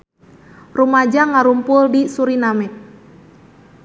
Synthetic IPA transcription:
rumad͡ʒaŋaɾumpʊldisuɾinamɛt̪̚

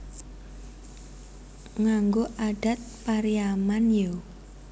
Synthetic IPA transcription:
ŋaŋɡoʔaɖ̥a̤t̪̚paɾiamanjo

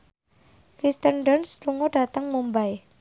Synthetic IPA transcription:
kɾist̪ənɖənsluŋoɖ̥a̤t̪əŋmumbaj

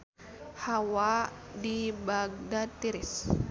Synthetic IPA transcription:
hawadibaɡ̚dat̪iɾis

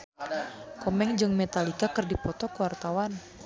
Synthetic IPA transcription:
kɔmɛŋd͡ʒɨŋmɛt̪alikakɨrdipɔt̪ɔkəwart̪awan

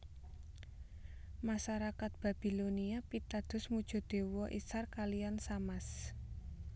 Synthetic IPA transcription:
maʃaɾakat̪̚b̥a̤b̥i̤loniapit̪ad̪̥ʊ̤smud̥ʒ̥ɔ̤d̪̥e̤wɔʔisarkalijansamas

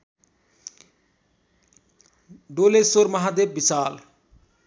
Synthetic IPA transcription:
ɖolesoɾmʌɦad̪ebːisaːl

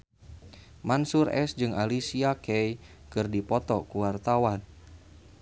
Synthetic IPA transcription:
mansurɛ̰sd͡ʒɨŋalisiakɛjkɨrdipɔt̪ɔkuwart̪awan

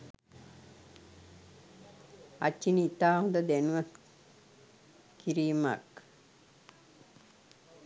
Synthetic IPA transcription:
a̰t͡ʃːiniit̪aːɦũnd̪əd̪ænuʋə | kiɾiːma̰k

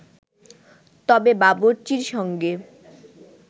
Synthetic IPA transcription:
t̪ɔbebaboɾt͡ɕiɾʃɔŋɡe

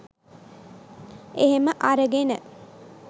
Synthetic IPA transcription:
eɦeməʔaɾəɡenə

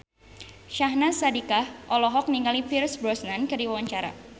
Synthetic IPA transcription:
ʃaɦnasadikahʔɔlɔɦɔk̚niŋɡalipirsbɾɔsnankɨrdiwawaɲt͡ʃaɾa̰

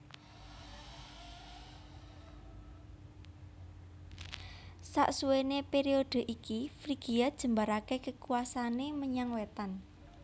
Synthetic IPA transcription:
sa̰ʔsuwenepeɾioɖ̥ə̤ʔikifɾiɡ̥iad̥ʒ̥ə̤mbaɾakekəkuasaneməɲaŋwet̪an

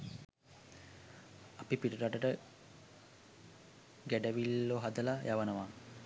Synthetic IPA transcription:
apipiʈəɾaʈəʈə | ɡæɖəʋilːoɦad̪əlajʔaʋənəʋa

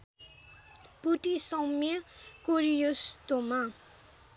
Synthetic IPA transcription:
puʈisʌwmiʌkoɾijost̪oma

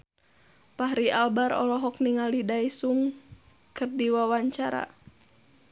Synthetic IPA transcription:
paɦɾialbaɾɔ̰lɔɦɔkniŋalidaisuŋ | kɨrdiwawaɲt͡ʃaɾa̰

